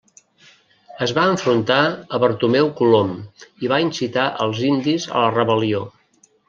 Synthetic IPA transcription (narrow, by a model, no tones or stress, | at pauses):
əzβaəɱfɾunt̪aəβəɾt̪umɛwkulomiβainsit̪aʔəlˠzind̪izə̰lərəβəlio